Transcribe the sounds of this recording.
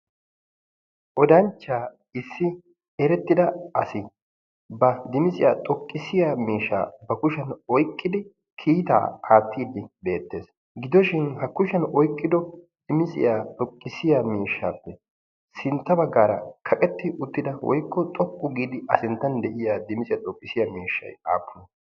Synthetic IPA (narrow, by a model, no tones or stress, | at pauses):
ʔɔd̪ɐnt͡ʃːaː | ɪsːɪ | ɛɾɛt̪ːɪd̪ɐɐsɪ | bɐd̪ɪmɪsʼɪjaːt̪ʼɔkʼːɪsɪjaːmiːʃːa̰ːbɐkʊʃɐnɔjkʼːɪd̪ɪ | kʰiːt̪a̰ːaːt̪ːiːd̪ɪbe̞ːt̪ːe̞̰ːs | ɡɪd̪ɔʃɪnhɐkʊʃɐnɔjkʼːɪd̪ɔ | d̪̥ɪmɪsʼɪ̰jaːt̪ʼɔkʼːɪsɪjamiːʃːa̰ːpːɛ | sɪnt̪ːɐbɐɡːaːɾɐ̰kʰɐkʼɛt̪ːɪʔʊt̪ːɪd̪ɐwɔ̰jkːɔt̪ʼɔpʼːʊɡiːd̪ɪʔɐsɪnt̪ːɐnd̪ɛʔɪjad̪ɪmɪsʼɪjat̪ʼɔkʼːɪsɪjɐmiːʃːɐ̰ja̰ːpːʊn